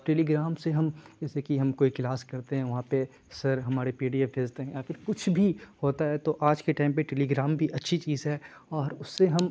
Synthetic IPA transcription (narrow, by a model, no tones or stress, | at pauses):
ʈeːliɡɾaːmseɦɐmd͡ʒɛːsekiɦɐmkoːiklaːskɐɾt̪eɦɛ̃ʋɐɦãpe | sɐɾɦɐmaːɾepiːɖijəb̪ʱeːd͡ʒt̪eɦɛ̃jafʰɪɾkʊt͡ʃʰbʱihoːt̪aɦɛt̪oʔaːd͡ʒkeʈaːɪmpeʈeːliɡɾaːmbʱiʔɐtːʃʰit͡ʃiːzɦɛː | ɔːɾʊsːeɦɐm